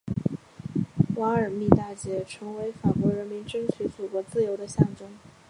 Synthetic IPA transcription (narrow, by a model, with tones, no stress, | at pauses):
wa˧˥ə˞˨˩mi˥˧t̪a˥˩t͡ɕjɛ˧˥ʈ͡ʂʰɤ˧˥ŋwe˧˥ɪfa˨˩kwɔ˧˥ɻə˧˥nmi˧˥nʈ͡ʂɤ˥ŋt͡ɕʰy˧˥t͡su˨˩kwɔ˧˥t͡sɹ̩˥˩jo˧˥ʊd̪ə˧ɕjɑ˥˩ŋʈ͡ʂɤ˥ŋ